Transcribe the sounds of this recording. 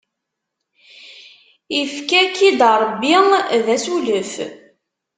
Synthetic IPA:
ifkækid̪ɾˤəbːiðæsuləf

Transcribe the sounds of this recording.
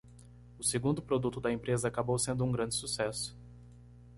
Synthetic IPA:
ʊseɡũnd̪ʊpɾod̪ut̪ʊd̪ɐẽpɾezɐakabowsẽnd̪ʊũɡɾɐ̃nd͡ʒɪsusɛsʊ̥

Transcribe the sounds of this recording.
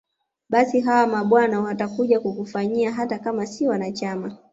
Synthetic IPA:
ɓasiɦawamaɓwanawatakuʄakukufaɲiaɦatakamasiwanat͡ʃama

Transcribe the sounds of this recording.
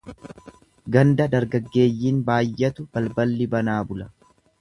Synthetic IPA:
ɡɐnd̪ɐd̪ɐɾɡɐɡːe̞ːjːiːnbaːjːɛt̪ʊb̥ɐlbɐlːɪbɐnaːbʊlɐ

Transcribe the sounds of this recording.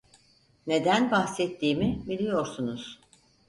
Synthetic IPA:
ne̞d̪ænbahsɛt̪ʰːiːmibilʲijo̞ɾsunuz̥

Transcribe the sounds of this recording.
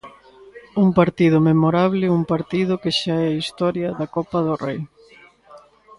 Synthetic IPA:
uŋpaɾt̪iðʊmemoɾaβlɪumpaɾt̪iðʊkeʃaɛist̪ɔɾjɐðɐkɔpɐðʊrej

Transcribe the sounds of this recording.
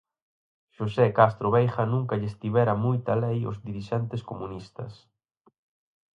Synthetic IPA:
ʃosekast̪ɾoβejxɐnũŋkɐʎest̪iβɛɾɐmujt̪ɐlejʊ̰zðiɾiʃɛnt̪eskomunist̪ɐ̰s

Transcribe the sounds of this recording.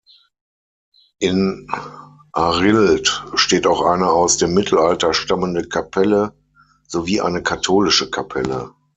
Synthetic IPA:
ʔɪn | ʔaʁɪltʃteːtaʊxʔa̰ɪnəaʊsd̥eːmːɪtʰl̩altɐʃtaməndəkʰapʰɛlə | z̥oviːʔa̰ɪnəkʰatʰoːlɪʃəkʰapʰɛlə̰

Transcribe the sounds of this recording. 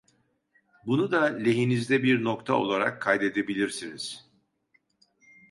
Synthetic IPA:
bunud̪alʲe̞ɦinizd̪ɛbiɾnokt̪ʰa̰o̞̰lˠaɾa̰kʰːajd̪e̞d̪e̞bilʲiɾsiniz̥

